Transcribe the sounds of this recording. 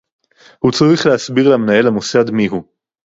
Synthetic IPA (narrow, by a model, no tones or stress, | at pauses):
hut͡saʁiχleasbiʁlamnajelamusad̪miɦu